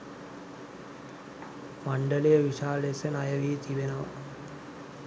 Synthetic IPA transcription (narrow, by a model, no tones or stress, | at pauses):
maɳɖəlejəʋiʂaːlesənajəʋit̪ibenəʋɐ̰